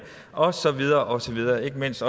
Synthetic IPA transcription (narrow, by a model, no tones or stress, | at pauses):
ʔɒ̽sɒ̽ʋið̞ˠɐːʔɒ̽sɒ̽ʋið̞ˠɐːe̝ɡ̥əme̝n̰sd̥ɒ̽